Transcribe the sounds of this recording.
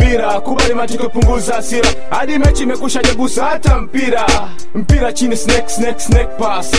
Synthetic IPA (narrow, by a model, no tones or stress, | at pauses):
piɾakuɓalimat͡ʃikɔpuŋɡuzasiɾa | haɗimɛt͡ʃiːmɛkuʃaʄaɡusatam̩piɾa | m̩piɾat͡ʃinisnɛksnɛksnɛk̚pas